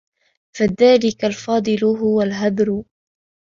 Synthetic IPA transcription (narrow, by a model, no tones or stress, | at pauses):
faðaːlɪkalfɑːd̪ˤɨlɦʊwalɦad̪ɾ